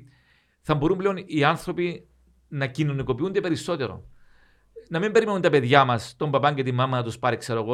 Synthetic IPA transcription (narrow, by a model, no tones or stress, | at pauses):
θɐmbo̞ɾumble̞o̞niɐnθɾo̞pi | nɐcino̞niko̞piund̪e̞pe̞ɾiso̞t̪e̞ɾo̞̰ | nɐmimbe̞ɾime̞nunt̪ɐpe̞ðʝɐmɐst̪o̞mbɐpɐɲɟet̪imːɐmɐnɐt̪uspɐɾikse̞ɾoɣo